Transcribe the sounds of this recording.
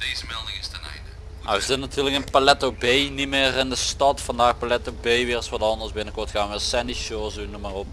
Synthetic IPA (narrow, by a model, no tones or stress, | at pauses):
d̥ejzəmɛlˠdɪŋɪstənɛ̰jndə | a̰ʋəzɪtnatʰyːrləkənpalɛtobejnimɪːrɪndəstɑtfɑndaːrpalɛtobejʋɪːrsʋɑtɑndərsbɪnəkɔrtxaːnʋəsɛndiʃoːsunəmarop